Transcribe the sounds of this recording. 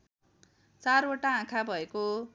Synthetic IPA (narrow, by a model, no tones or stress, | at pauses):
t͡saroʈaãkʰabʱʌeko